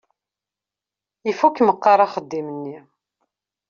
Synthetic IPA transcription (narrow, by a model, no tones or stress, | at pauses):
ifukməqːɑɾˤaχəd̪ːimənːi